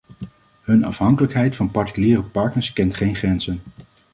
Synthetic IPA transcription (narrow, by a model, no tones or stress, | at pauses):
ɦɵnɑ̰fɦɑŋkələkɦɛjtfɑnpɑɹti̥kyliːrəpɑɹtnəɹskɛntχejnχrɛnzən